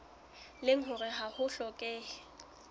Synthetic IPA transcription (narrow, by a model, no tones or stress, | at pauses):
lɪŋ̩ɦʊrɪɦahʊɬɔkʼɛː